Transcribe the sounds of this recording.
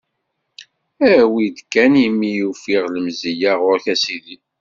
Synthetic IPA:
æwid̪kːænimːijufiʁləmzijaʁʊɾçæsiði

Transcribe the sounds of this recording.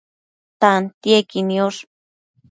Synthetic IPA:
t̪ant̪jekinioʂ

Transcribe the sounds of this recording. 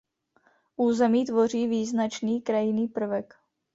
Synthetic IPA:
ʔuːzɛmiːt̪vo̞r̝iːviːznat͡ʃniːkɾajɪniːpr̩vɛk

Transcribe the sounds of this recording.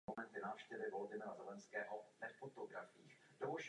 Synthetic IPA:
omɛnt̪ɪnaːfʃcɛvɪvoldɪmɪɾazɛlɛnskɛːɦovɛfot̪oɡɾafiːx | d̥ovoʃ

